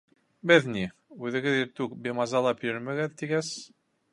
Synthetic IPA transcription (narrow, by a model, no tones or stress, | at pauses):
bɘðniʉðɘ̆ɡɘðiɾt̪ʉk̚bemɑzɑlˠɑpjɵ̆ɾmɘ̆ɡɘðt̪iɡæz